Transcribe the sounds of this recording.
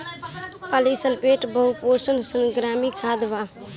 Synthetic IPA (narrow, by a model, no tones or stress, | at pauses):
palisəlpeʈbəɦuposənsənɡɾamikʰad̪ba